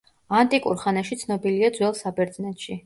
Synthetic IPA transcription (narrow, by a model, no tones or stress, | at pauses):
ant̪ʼikʼṵɾχanaʃit̪sʰnɔbiliad̪zwɛlˠsabɛɾt̪zʼnɛt̪ʃi